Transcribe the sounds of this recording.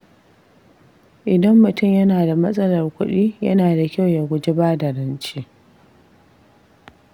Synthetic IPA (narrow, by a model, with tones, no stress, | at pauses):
ʔɪ˨dɐ˦mːʊ˨tʊ˦˨mjɐ˦naː˨da˨mɐ˦sʼɐ˦lɐ˨rkʷʊ˦ɗiː˦jɐ̰˦naː˨da˨kʲa˦˨wja˨ɡʷʊ˦d͡ʒɪ˦baː˦dɐ˨ɾɐ˦nt͡ʃiː˦